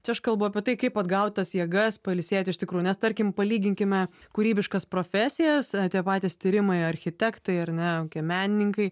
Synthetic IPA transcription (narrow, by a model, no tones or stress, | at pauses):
t͡ʃʲɛɐʃkɐlˠbʊɐpʲiɛt̪ɐɪkɐɪpɐd̪ɡɐʊt̪̚ʲt̪ɐsjiɛɡɐspɐɪlʲsʲiɛt̪ʲɪʃtʲɪkɾuːjʊnʲɛst̪ɐɾʲkʲɪmpɐlʲiːɡʲɪŋʲkʲɪmʲɛkuɾʲiːbʲɪʃkɐspɾoːfʲæːsʲɪjɛst̪ʲiɛpɑːt̪ʲest̪ʲiːɾʲɪmɐɪɐɾʲxʲɪt̪ʲɛkt̪ɐɪɐɾnʲɛokʲiɛmʲæːnʲɪnʲɪŋkɐɪ